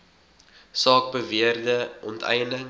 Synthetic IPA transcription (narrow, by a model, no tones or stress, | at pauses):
sɑːk̚bəviərdəʔɔntʰɛ̰jnəŋ